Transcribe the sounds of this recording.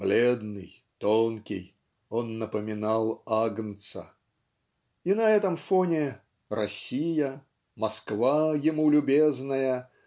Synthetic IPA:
b̥lʲed̪nɨj | t̪onkʲɪ̰j | onːəpəmʲɪnalˠaɡnt̪sə̰ | inɐɛt̪əmfonʲɪ | rɐsʲijə | mɐskvajɪmulʲʊbʲeznəjə

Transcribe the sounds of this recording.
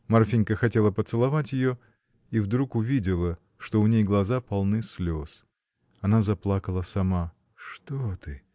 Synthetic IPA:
mɐrfʲinʲkəxɐtʲe̞lˠəpət̪sɨlˠɐvatʲjɪjo | ivd̪ɾukʊvʲidʲɪlˠə | ʂt̪oʊnʲejɡlˠɐzapɐlˠnɨsʲlʲo̞s | ɐnazɐplˠakəlˠəsɐma | ʂt̪ot̪ɨ

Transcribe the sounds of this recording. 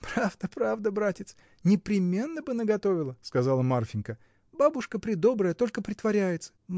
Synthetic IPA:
pɾavd̪əpɾavd̪əbɾatʲɪt̪s | nʲɪpɾʲɪmʲe̞nːəbɨnəɡɐt̪o̞vʲɪlˠəskɐzalˠəmarfʲɪnkə | babʊʂkəpɾʲɪd̪o̞bɾəjət̪o̞lʲkəpɾʲɪt̪vɐɾʲæjɪt̪sə̥

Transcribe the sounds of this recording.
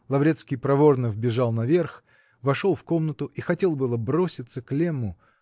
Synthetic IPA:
lˠɐvɾʲet̪skʲijpɾɐvo̞rnəvbʲɪʐɑlˠnɐvʲerx | vɐʂo̞lˠfko̞mnət̪ʊʔixɐtʲe̞lˠbɨlˠəbɾo̞sʲɪt̪səklʲemːʊ

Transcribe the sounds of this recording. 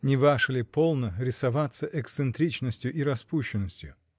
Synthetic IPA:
nʲɪvaʂɨlʲɪpo̞lˠnəɾʲɪsɐvat̪səʔɛkssɨnt̪ɾʲit͡ɕnəsʲtʲjʊʔiɾɐspuɕːɪnːəsʲtʲjʊ̰

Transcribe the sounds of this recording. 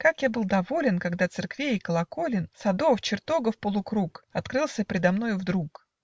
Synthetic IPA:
kakjabɨlˠd̪ɐvo̞lʲɪnkɐɡd̪at̪sɨrkvʲejɪkəlˠɐko̞lʲɪnsɐd̪o̞ft͡ɕɪrt̪o̞ɡəfpəlˠʊkɾukɐt̪kɾɨlˠsʲəpʲɾʲɪd̪ɐmno̞jʊvd̪ɾuk

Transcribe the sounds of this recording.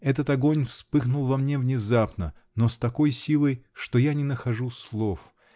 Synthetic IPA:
ɛt̪ət̪ɐɡo̞nʲfspɨxnʊlˠvɐmnʲevnʲɪzapnə̰ | nost̪ɐko̞jsʲilˠəjʂt̪ojanʲɪnəxɐʐuslˠo̞f

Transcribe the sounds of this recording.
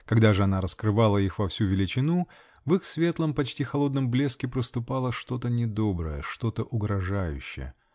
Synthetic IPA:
kɐɡd̪aʐɨɐnaɾəskɾɨvalˠəixvɐfsʲuvʲɪlʲɪt͡ɕɪnu | vɨxsvʲe̞t̪lˠəmpɐt͡ɕtʲixɐlˠo̞d̪nəmblʲe̞skʲɪpɾəst̪ʊpalˠəʂt̪o̞t̪ənʲɪd̪obɾəjəʂt̪o̞t̪əʔʊɡɾɐʐajʉ̰ɕːɪ̰jə̰

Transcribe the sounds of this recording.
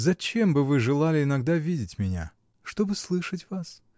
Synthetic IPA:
zɐt͡ɕe̞mbɨvɨʐɨlˠalʲɪɪnɐɡd̪avʲidʲɪtʲmʲɪnʲa̰ | ʂt̪o̞bɨslˠɨʂətʲvas

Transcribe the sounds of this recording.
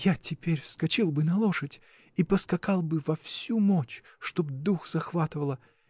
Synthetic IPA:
jatʲɪpʲeɾʲfskɐt͡ɕilˠbɨnɐlˠoʂətʲ | ipəskɐkalˠbɨvɐfsʲumot͡ɕʂt̪o̞bd̪uxz̥ɐxvat̪ɨvəlˠə

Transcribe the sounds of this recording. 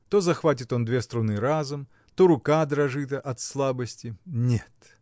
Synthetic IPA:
t̪o̞zɐxvatʲɪt̪o̞nd̪vʲest̪ɾʊnɨɾazʊm | t̪oɾʊkad̪ɾɐʐɨt̪əʔɐt̪slˠabəsʲtʲɪnʲet̪

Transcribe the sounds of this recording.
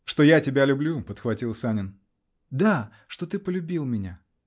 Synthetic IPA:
ʂt̪o̞jatʲɪbʲalʲʊblʲupət̪xvɐtʲilˠsanʲɪn | d̪a | ʂt̪o̞t̪ɨpəlʲʊbʲilˠmʲɪnʲa

